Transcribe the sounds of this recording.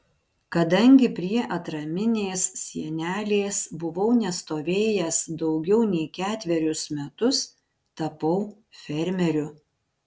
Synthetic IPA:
kɐd̪ɐŋʲɡʲɪpʲɾʲiɛʔɐt̪ɾɐmʲɪnʲeːssʲiɛnʲæːlʲeːsbʊʋɐʊnʲɛst̪oːʋʲeːjɛsd̪ɒʊɡʲɛʊnʲɛɪkʲæːt̪ʲʋʲɛɾʲʊsmʲɛt̪ʊs | t̪ɐpɒʊ | fʲɛɾʲmʲɛɾʲʊ

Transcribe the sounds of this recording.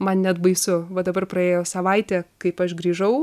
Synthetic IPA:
mɐnnʲɛd̪bɐɪsʊʋɐd̪ɐbɐrpɾɐeːjoːsɐʋɐɪt̪ʲɛːkɐɪpɐʃɡɾʲiːʒɐʊ

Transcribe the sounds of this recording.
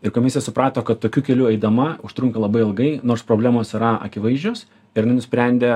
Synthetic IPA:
ɪɾkoːmʲɪsʲjɛsʊpɾɑːt̪oːkɐt̪toːkʲuːkʲɛlʲuːɛɪd̪ɐmɐʊʃt̪ɾʊŋkɐlˠɐbɐɪɪlˠɡɐɪnoːrspɾoːbʲlʲæːmoːsiɾɐɐ̰kʲɪʋɐɪzʲd͡ʒʲoːs | ɪɾɐnɪnʊsʲpʲɾʲɛnʲd̪ʲeː

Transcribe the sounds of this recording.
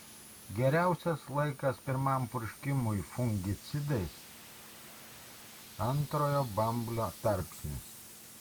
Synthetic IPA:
ɡʲɛɾʲæˑʊsʲɛslˠɐɪkɐspʲɪɾmɐmpʊɾʲʃʲkʲɪmʊjfʊŋʲɡʲɪt̪sʲɪd̪ɛsʲ | ɐnt̪ɾoːjobɐmblʲot̪ɐɾʲpʲsʲnʲɪs

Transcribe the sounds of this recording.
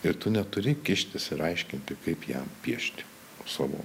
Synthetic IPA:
ɪɾt̪ʊnʲɛt̪ʊɾʲɪkʲɪʃʲt̪ʲɪsɪɾɐɪʃʲkʲɪnʲt̪ʲɪkɐɪpjɛ̰mpʲiɛʃʲt̪ʲɪ̥ | sɐʋo̰

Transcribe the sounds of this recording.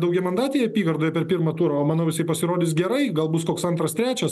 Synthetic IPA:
d̪ɐʊɡʲɛmɐnd̪ɑːt̪ʲɪjɛɐpʲiːɡɐrd̪oːjɛpʲɛrpʲiːrmɐt̪uːɾɐoːmɑːnoːʋʲɪsʲɐɪpɐsʲɪɾoːd̪ʲɪsɡʲɛɾɐɪɡɐlˠbʊskoːksɐnt̪ɾɐst̪ɾʲæːt͡ʃʲɛs

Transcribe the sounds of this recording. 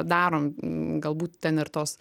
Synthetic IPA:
d̪ɑːɾoːmɡɐlˠbuːt̪t̪ʲɛnɪɾt̪oːs

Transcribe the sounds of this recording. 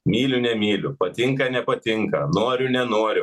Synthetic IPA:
mʲiːlʲʊnʲɛmʲiːlʲʊpɐt̪ʲɪŋkɐnʲɛpɐt̪ʲɪŋkɐnoɔɾʲʊnʲɛnoɔɾʲʊ

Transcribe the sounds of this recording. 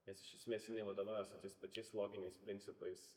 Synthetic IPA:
nʲɛsʃʲɪsmʲɛsʲt̪ʲɪnʲɛɪʋɐd̪oːʋɑːjɛsʊt̪ʲɛɪspɐt͡ʃʲɛɪslˠoːɡʲɪnʲɛɪspʲɾʲɪnʲtsʲɪpɐɪs

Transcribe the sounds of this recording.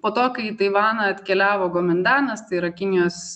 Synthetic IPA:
poːt̪oːkɐɪt̪ɐɪʋɑːnɐɐt̪ʲkʲɛlʲæːʋoːɡoːmʲɪnʲd̪ɑːnɐst̪ɐɪɪɾɐkʲɪnʲɪjoːs

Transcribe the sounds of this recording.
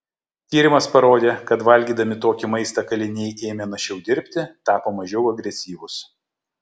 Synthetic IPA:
t̪ʲiːɾʲɪmɐspɐɾoːd̪ʲeːkɐt̪ʋɐlʲɡʲiːd̪ɐmʲɪt̪oːkʲɪmɐɪst̪ɐkɐlʲɪnʲɛɪeːmʲenɐʃʲɛʊd̪ʲɪɾʲpʲt̪ʲɪt̪ɑːpoːmɐʒʲɛʊɐɡɾʲɛsʲiːʋʊs

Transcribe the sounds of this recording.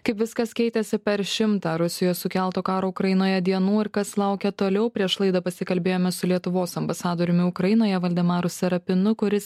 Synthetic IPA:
kɐɪpʋʲɪskɐskʲɛɪt̪ʲɛsʲɪpʲɛɾʃʲɪmt̪ɑːɾʊsʲɪjoːjsʊkʲɛlˠt̪oːkɑːɾoːʊkɾɐjɪnoːjɛd̪ʲiɛnuːɪɾkɐslˠɐˑʊkʲɛt̪oːlʲɛʊpʲɾʲiɛʃlˠɐɪd̪ɐpɐsʲɪkɐlʲbʲeːjoːmʲɛsʊlʲiɛt̪ʊʋoːsɐmbɐsɑːd̪oːɾʲʊmʲɪʊkɾɐjɪnoːjɛʋɐlʲd̪ʲɛmɑːɾʊsʲɛɾɐpʲɪnʊkʊɾʲɪs

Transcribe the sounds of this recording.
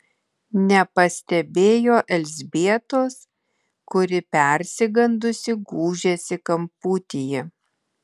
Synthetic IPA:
nʲɛpɐsʲt̪ʲɛbʲeːjoːʔɛlʲzʲbʲiɛt̪oːs | kʊɾʲɪpʲɛˑɾʲsʲɪɡɐnd̪ʊsʲɪɡuːʒʲeːsʲɪkɐmpuːt̪ʲɪjɛ

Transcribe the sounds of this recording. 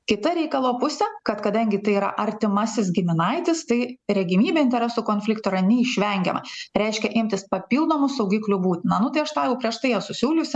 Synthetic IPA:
kʲɪt̪ɐɾʲɛɪkɐlˠoːpʊsʲɛkɐt̪kɐd̪ɐŋʲɡʲɪt̪ɐɪiɾɐ̰ʔɐɾʲt̪ʲɪmɐsʲɪs̬ɡʲɪmʲɪnɐɪt̪ʲɪst̪ɐɪɾʲɛɡʲɪmʲiːbʲeɪnʲt̪ʲɛɾʲɛsuːkoːnʲfʲlʲɪkt̪oːɪɾɐnʲɛiʃʲʋʲɛŋʲɡʲɛ̰mɐ̰ɾʲɛɪʃʲkʲɛʔɪmʲt̪ʲɪspɐpʲiːlˠd̪oːmʊsɐʊɡʲiːklʲubuːt̪ʲɪnɐnʊt̪ɐɪɐʃt̪ɑːjɛʊpʲɾʲiɛʃt̪ɐɪjɛsʊsʲuːlʲʊsʲɪ

